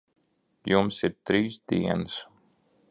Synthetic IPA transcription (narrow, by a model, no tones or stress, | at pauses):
jumsiɾt̪ɾiːsd̪iɛnɨs